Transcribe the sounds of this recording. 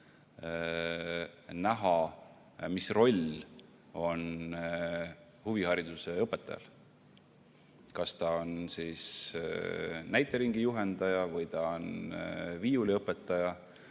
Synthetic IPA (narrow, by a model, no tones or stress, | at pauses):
næɦɑ | misro̞lʲ | o̞n | huvihɑɾid̪use̞ɤpːˑe̞t̪ːˑɑ̰jɑ̰l | kɑst̪ɑonsiːs | næjt̪ːˑe̞ɾiŋɡ̥ijuɦe̞nd̪̥ɑjɑvɤjt̪ɑo̞nviːuliɤpˑːe̞t̪ːˑɑjɑ